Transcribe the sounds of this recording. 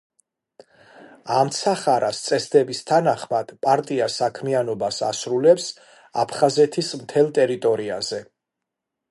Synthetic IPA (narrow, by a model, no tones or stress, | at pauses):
amt̪sʰaχaɾast̪sʼɛsd̪ɛbist̪ʰanaχmad̪̥pʼaɾt̪ʼiasakʰmianɔbasa̰sɾulɛps | apʰχazɛt̪ʰismt̪ʰɛlˠt̪ʼɛɾit̪ʼɔɾia̰zɛ